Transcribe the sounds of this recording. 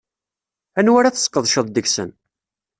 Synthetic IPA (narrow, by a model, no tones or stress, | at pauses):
ænwæɾaθə̥sə̥kːəðˤʃəðˤd̪əçsə̰n